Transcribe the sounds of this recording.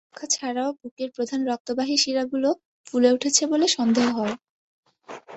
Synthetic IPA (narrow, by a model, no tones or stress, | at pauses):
kʰːat͡ɕʰaɾaobukeɾpɾod̪ʱanɾɔk̚t̪obaɦiʃiɾaɡulo | fuleuʈʰet͡ɕʰeboleʃɔnd̪ʱeɦoɦɔe